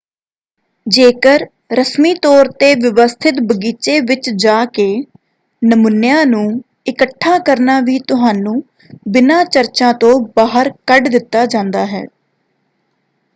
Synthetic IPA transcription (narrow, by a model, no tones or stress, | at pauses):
d͡ʒeːkəɾ | ɾəsmiːt̪ɔːɾt̪eːʋɪʋəst̪ʰɪt̪bəɡiːt͡ʃeːʋɪt͡ʃd͡ʒaːkeː | nəmʊnːɪjãːnũː | ɪkəʈʰːaːkəɾnaːʋiːt̪ʊɦaːnũː | bɪnaːt͡ʃəɾt͡ʃãːt̪õːbaːɦəɾkəɖd̪ɪt̪ːaːd͡ʒãːnd̪aːɦɛ̰ː